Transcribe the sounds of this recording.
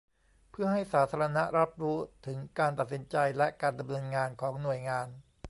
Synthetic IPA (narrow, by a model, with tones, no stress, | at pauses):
pʰɯ˥˩ɐɦa˥˩jsaː˩˦t̪ʰaː˧ɾa˧na˦˥ʔɾa˦˥p̚ɾuː˦˥t̪ʰɯ˩˦ŋkaː˧nt̪a˨˩t̪̚si˩˦nt͡ɕa˧jlɛ˦˥kaː˧nda˧mnɤː˧nŋaː˧nkʰɔː˩˦ŋnu˨˩əjŋaː˧n